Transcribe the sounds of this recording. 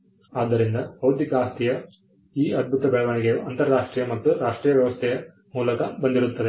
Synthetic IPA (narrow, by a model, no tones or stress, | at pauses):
aːd̪ːɐɾind̪ɐbɐwɾd̪ʱikaːst̪ʰijɐ | iːɐd̪̚bʱut̪ɐbɛɭɐʋɐɳiɡejuʔɐnt̪ɐɾɐɾaːʂʈɾijɐmɐt̪ːuɾaːʂʈɾiːjɐʋjɐʋɐst̪ʰɛjɐ | muːlɐkɐbɐnd̪iɾut̪ːɐd̪e